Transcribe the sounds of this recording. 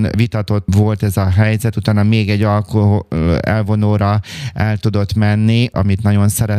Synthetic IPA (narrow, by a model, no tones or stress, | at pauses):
nʋit̪ɒt̪o̞ʋo̞lt̪ɛzɒɦɛjzɛt̪ut̪aːnɒmeːɡɛɟːɒlkoɛ̰lvo̞noːɾɒɛlt̪ud̪o̞t̪mɛnːiʔɒ̰mit̪nɒɟo̞nsɛɾɛ